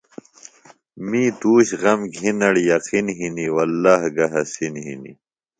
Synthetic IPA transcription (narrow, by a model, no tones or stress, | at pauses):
miːt̪uːɕɣɐmɡʱinɐɽjɐqinɦiniwɐlːaːhɡɐɦɐsinɦḭnḭ